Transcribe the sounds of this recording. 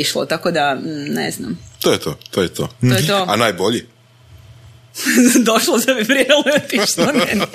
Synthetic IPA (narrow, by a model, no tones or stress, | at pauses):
iʃlˠo̰t̪akod̪anḛzna̰mt̪ojɛt̪ʰo̰t̪ojɛt̪ʰo̰t̪ojet̪oanajboʎi | d̪oʃlˠozamiʋɾjelojet̪iʃnonen